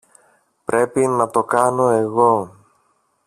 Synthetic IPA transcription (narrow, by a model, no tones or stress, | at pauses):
pɾe̞pinɐt̪o̞kɐno̞e̞ɣo̞